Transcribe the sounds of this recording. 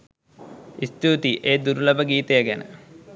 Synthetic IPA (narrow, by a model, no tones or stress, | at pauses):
ist̪it̪iʔeːd̪uɾulɐbəɡiːt̪ejəɡænə̰